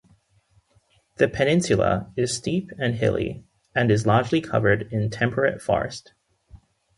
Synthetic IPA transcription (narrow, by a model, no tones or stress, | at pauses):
ðɨpʰɨnɪ̃nsjɨlˠə̰ɪz̥stipʰɨ̃nɦɪ̰lˠḭ | ɨ̃nɨzlɑɹd͡ʒlikʰʌ̰və˞ɾɪ̃ntʰɛ̃mpʰə˞ɨ̰tfɔ̰ɹɨ̰st